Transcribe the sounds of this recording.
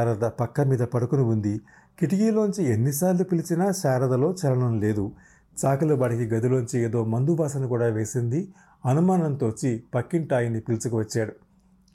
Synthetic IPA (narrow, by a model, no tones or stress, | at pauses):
aːɾɐd̪ɐpɐkːɐmiːd̪ɐpɐɽukunuund̪i | kiʈiɡiːlo̞ːɲt͡ʃienːis̬aːɾlupilit͡ʃinɐʃaːɾɐd̪ɐlo̞ːt͡ʃɛlɐɳɐmle̞ːd̪u | t͡ʃaːkulɐbaːʈikiɡɐd̪ilo̞ːɲt͡ʃieːd̪o̞ːmɐnd̪ubaːsɐnukuːɽaːʋe̞ːsind̪i | ɐnumaːnɐnt̪oːt͡ʃːipɐkːiɳʈaːjinːipilit͡ʃukuʋɐt͡ʃːaːɽu